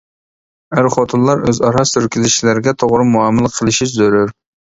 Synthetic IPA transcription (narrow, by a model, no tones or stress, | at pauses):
æɾχot̪ʰunlˠɑɾøzɑɾɑst̪yɾkʲilɪʃilæɾɪɡʲɛt̪ʰoʁɾɨmuɑmɨlˠqʰəlˠɨʃiʃzøɾyɾ